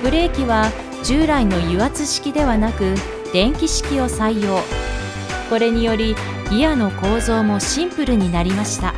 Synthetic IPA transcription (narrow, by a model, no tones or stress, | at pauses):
b̥ɯ̟ɾe̞ːkʲiβa | d͡ʑɨːɾaino̞jɯβat͡sɨɕi̥kʲid̪e̞βanakɯ̟ | d̪̥ẽ̞ŋkʲiɕi̥kʲio̞saijo̞ː | ko̞ɾe̞ɲ̟ijo̞ɾʲi | ɡʲijano̞ko̞ːzo̞ːmo̞ɕĩmpɯ̟ɾɯ̟ɲ̟inaɾʲimaɕi̥t̪a